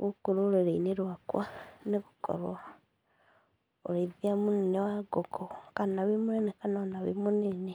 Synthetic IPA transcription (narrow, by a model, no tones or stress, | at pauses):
ɣukuɾoɾeɾeineɾwakwaneɣukʰɔ̰ɾwa | o̰ɾeðiamunenewaɡoɡokanaβimunenekananaβḭmunene